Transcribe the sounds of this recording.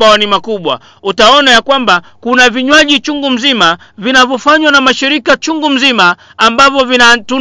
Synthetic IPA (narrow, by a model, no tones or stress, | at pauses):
aanimakuɓwa̰ | utaɔnajakwambakunaviɲwaʄit͡ʃuŋɡum̩zima | vinavjɔfaɲwanamaʃiɾikat͡ʃuŋɡum̩zimaː | mbavɔvinatu